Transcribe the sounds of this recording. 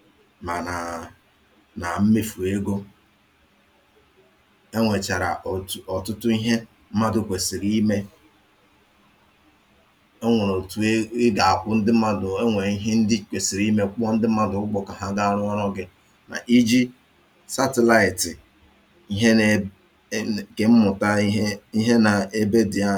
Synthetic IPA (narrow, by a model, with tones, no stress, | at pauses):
ma˨na˨ | na˨m̩˦me˦fu˨e˦ɡo˦ | e˦ŋʷe˨t͡ʃa˨ɾa̰˨ɔ˨tʊ˦tʊ˦i˦ɦe˦ | m̩˦ma˦dʊ˦˨kʷe˨si˨ɾi˦me˦ | e˦ŋʷo˨no˨tu˨˦ɪ˦ɡa˨a˨kʷʊ˦n̩˦dɪ˦m̩˦a˦dʊ˨e˦ŋʷe˨i˦ɦe˦n̩˦dɪ˦kʷe˨si˨ɾi˦me˦k͡pɔ˦n̩˦dɪ˦m̩˦ma˦dʊ˨ʊ˦ɡ͡bɔ˨ka˨ɦa˦ɡa˦a˦ɾʊ˦ɔ˦ɾɔ˦ɡɪ˦ | na̰˨ʔi˦d͡ʒi˦ | sa˦te˦la˦˨ɪ˨tɪ˨ | i˦ɦe˦ | ke˨m̩˦mʊ˨ta˦i˦ɦe˦na˨e˦be˦di˨a˦